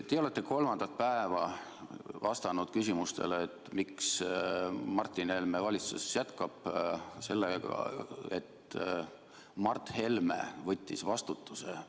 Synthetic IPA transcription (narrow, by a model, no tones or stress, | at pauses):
t̪eo̞let̪ːeko̞lmɑnd̪̥ɑt̪̚pæevɑ | vɑst̪ɑnud̪̥kysʲimust̪e̞̰leet̪ːˑmiks | mɑrt̪ˑːinhe̞lmevɑlʲit̪susjæt̪kɑb̥se̞lːeɡɑ̰e̞̰t̪ | mɑrt̪he̞lmḛvɤt̪ʲːisvɑst̪ut̪ːˑuse